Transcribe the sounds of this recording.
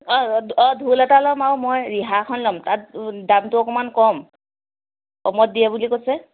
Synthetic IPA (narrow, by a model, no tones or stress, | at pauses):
ɔɔdʱulɛtalɔmawmɔjɹiɦakʰɔnlɔmtat̚damtʊɔkɔmankɔm | kɔmɔt̚dijabulikosɛ